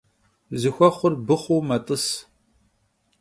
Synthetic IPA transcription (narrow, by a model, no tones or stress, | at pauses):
zɨxʷɔχʷʊrbɨχʷuːmɐtʼɨs